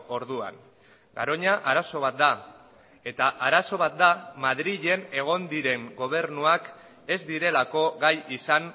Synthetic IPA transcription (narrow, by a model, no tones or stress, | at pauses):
o̞ɾðua̰ŋ | ɡa̰ɾoɲaʔaɾaso̞β̞at̪̚d̪a | e̞t̪aʔaɾaso̞βat̪̚d̪amaðɾiʎe̞ne̞ɣ̞o̞nd̪iɾe̞ŋɡo̞β̞e̞ɾnuak | e̞zd̪iɾe̞lako̞ɣajisaŋ